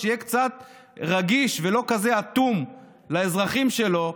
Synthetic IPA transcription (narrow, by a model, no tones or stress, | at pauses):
ijekt͡sat̪̚ | ʁaɡiʃvelo̞kaze̞at̪um | laezʁaχimʃe̞lo̞